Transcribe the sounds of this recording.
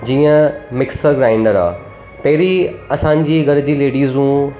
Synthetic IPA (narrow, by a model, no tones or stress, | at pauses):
d͡ʑiːə̃mɪksəɾɡɾaːɪ̃ɳɖəɾa̰ː | pɐɦɪɾiɐsãːɲd͡ʑiːɡɐɾd͡ʑiːleːɖiːzũː